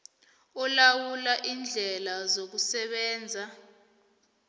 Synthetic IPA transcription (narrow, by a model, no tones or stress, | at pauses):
ɔlawulaʔind͡ɮʱɛlazok̬usɛɓɛːnd͡zʱa